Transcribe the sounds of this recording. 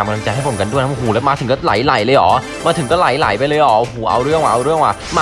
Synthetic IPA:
a˧m˧a˧t͡ɕa˧jɦa˥˩jpʰo˨˩mka˧ndu˥˩əna˥˨˩huː˨˩lɛ˦˥wmaː˧ɯ˨˩˦ŋkɔː˥˩la̰˨˩˦jla̰˨˩˦jlɤː˧jʔɔː˩˦ | maː˧t̪ʰɯ˨˦kɔː˥˩la˨˩˦jla̰˨˩˦jpa˧jlɤː˧jʔɔː˩˦˧huː˨˩ʔa˧wɾɯ˥˩əŋwaː˨ʔa˧ɾɯ˥˩əŋwʔa̰ː˨˩maː˧

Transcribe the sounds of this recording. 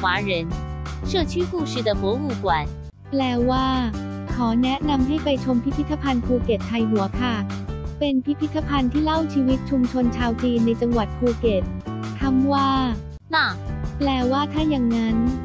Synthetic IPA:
xwaː˨˧˥ɻə˧˦nʂɤ˥˩t͡ɕʰy˥˩xu˥˩ʂ̩˥˩d̪ə˩fɔ˨˧˦wu˥˩kwa˨˩˦n | plɛː˧˩waː˥˩ | kʰɔː˩˦nɛ˦˥na˧mɦa˥˩jpa˧jt͡ɕʰo˧mpʰi˦˥pʰi˦˥t̪ʰa˧pʰa˧npʰuː˧ke˨˩t̪̚t̪ʰːa˧jɦu˨˩˦ɐkʰa˥˩pe˧npʰi˦˥pʰi˦˥t̪ʰːa˧pʰa˧nt̪ʰiː˥˩la˥˩wt͡ɕʰiː˧wi˦˥t̪̚t͡ɕʰu˧mt͡ɕʰo˧nt͡ɕʰaː˧wt͡ɕiː˧nːa˧jt͡ɕa˧ŋwa˨˩t̪̚pʰuː˧ke˨˩t̪̚t̪ʰa˧˥mwaː˥˩ | la˥˩plɛː˨˩waː˥˩t̪ʰaː˥˩ja˨˩ŋːa˦˥n

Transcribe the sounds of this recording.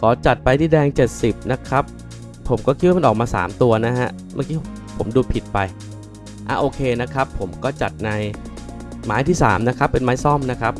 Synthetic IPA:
kʰɔː˩˦t͡ɕa˨˩t̪̚pa˧jt̪ʰiː˥˩dɛː˧ŋt͡ɕe˨˩t̪̚si˨˩p̚na˦˥kʰɾa˦˥pʰː | o˩˦mkɔː˥˩kʰi˦t̪̚waː˥˧m˥˩ʔɔː˨˩kmaː˧sa̰ː˩˦mt̪u˧ɐna˦˥ɦa˦˥ʔ | maː˥˩kʰiː˦˥ | pʰo˩˦mduː˧pʰi˨˩t̪̚pa˧j | ʔaː˨˩ʔoː˧kʰeː˧na˦˥kʰɾa˦˥pʰːo˩˦mkɔː˥˩t͡ɕa̰˨˩t̪̚na˧j | maː˦˥jt̪ʰiː˥˩sa̰ː˩˦mna˦˥kʰɾa˦˥pːe˧nmaː˦˥jsɔ˥˩mna˦˥kʰɾa˦˥p̚

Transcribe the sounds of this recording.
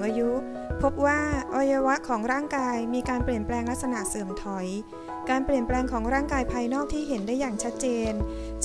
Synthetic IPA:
ʔaː˧ju˦˥ | pʰo˦˥p̚waː˥˩ʔa˧ja˧wa˦˥ʔkʰɔː˩˦ŋɾaː˥˩ŋkaː˧jmiː˧kaː˧npli˨˩ənplɛː˧ŋla˦˥k̚sa˧na˨˩ʔsɯː˨˩əmt̪ʰɔ˩˦j | kaː˧npli˨˩ənplɛː˧ŋkʰɔː˩˦ŋɾaː˥˩ŋkaː˧jpʰaː˧jnɔː˥˩k̚t̪ʰiː˥˩ɦe˩˦ndaː˥˩jaː˨˩ŋt͡ɕʰa˦˥t̪̚t͡ɕeː˧n | t͡ɕ

